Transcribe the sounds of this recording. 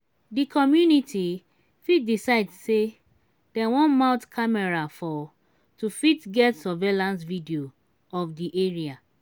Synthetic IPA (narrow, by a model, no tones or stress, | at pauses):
dikʰɔmjunitʰi | fit̚disaɪdse | d̥ɛ̃wɔ̃nmãʊtkʰamɛɹafɔ | tufitɡɛtsɔvelãnsvidio | ɔfdiʔeɹia